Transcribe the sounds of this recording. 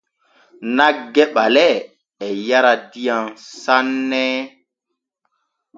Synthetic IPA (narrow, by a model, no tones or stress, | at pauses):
naɡɛɓalɛ | ɛjaɾadijaŋsanːɛ